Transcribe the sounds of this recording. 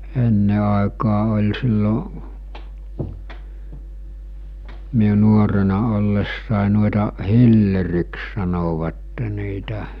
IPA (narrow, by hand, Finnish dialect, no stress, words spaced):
enːe ɑˑekɑː olʲ silːo miu nuorenɑ olːesːɑˑe nuoĕtɑ hilːeriks sɑnoʋɑtːe niːtæ